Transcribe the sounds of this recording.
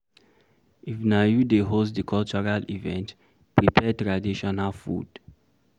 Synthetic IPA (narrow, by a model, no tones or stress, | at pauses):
ifnajudeɦostdikʰɔlt͡ʃɔɹalivɛ̃nt | pɹipʰɛtɹadiʃɔnalfṵd̥